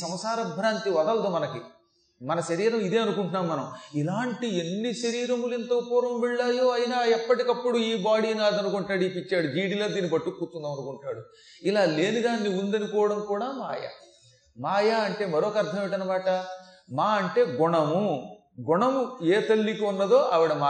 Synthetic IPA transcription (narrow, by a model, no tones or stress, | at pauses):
sɐmsaːɾɐd̪̚bʱɾaːnt̪iʋɐd̪ɐlɐt̪oːmɐnɐki | mɐnɐʃɐɾiːɾɐmid̪eːɐnukuɳʈunːaːmːɐnɐmilaːɳʈienːiʃɐɾiːɾɐmulɛnt̪ɐkːpɔːɾɐmʋɛɭːaːjoːɐjinaːɛpːɐʈikɐpːuɽuiːbaːɽiːnaːd̪ɐnukuɳʈːaːɽiːpit͡ʃːaːɽuɡiːɽiloːd̪iːnibɐʈːukːuːɾt̪und̪ɐmɐnukuɳʈːaːɽu | ilaːle̞ːnid̪aːnːiund̪ɐnikɔːʋɐɽɐmkuːɽaːma̰ːjɐ̰ | maːjɐɐɳʈe̞ːmɐɾoːkɐɾt̪ʰɐmeʈɐnɐmaːʈɐmaːɐɳʈe̞ːɡuɳɐmu | ɡuɳɐmueːt̪ɐlːikiunːɐd̪o̞ːʔɐʋiɽɐma